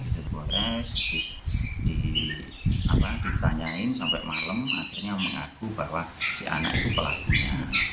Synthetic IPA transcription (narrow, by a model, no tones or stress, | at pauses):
dəboɾɛsd̥isd̥i | apad̥̪it̪aɲaɪnsampɛʔmaləma̰xirɲaməŋa̰ɡ̥ubawasiʔa̰na̰ʔḭt̪upəla̰kuɲa